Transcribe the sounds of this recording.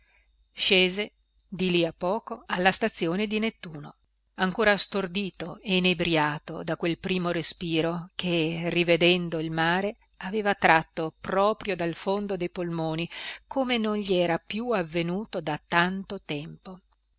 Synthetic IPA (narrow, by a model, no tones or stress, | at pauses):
ʃeːze | d̪iliapːɔːkoalːast̪at̪sːjoːned̪inet̪ːuːno | aŋkoːɾast̪ord̪iːt̪oenebɾjaːt̪o̰d̪akwelpɾiːmoɾespiːɾokʰerːived̪ɛnd̪oilmaːɾe | aveːvat̪ɾat̪ːopɾɔːpɾjod̪alfond̪od̪ejpolmoːnikʰoːmenonʎiɛːɾapjuavːenuːt̪od̪at̪ːant̪ot̪ɛmpo